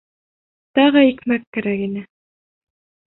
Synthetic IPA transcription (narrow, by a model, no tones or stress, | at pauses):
t̪ɑʁɤikmækːæɾækinɘ